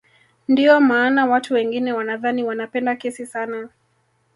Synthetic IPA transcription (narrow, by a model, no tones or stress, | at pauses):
ndiɔmaːnawatʰuwɛŋɡinɛwanaðaniwanapɛndakɛsisana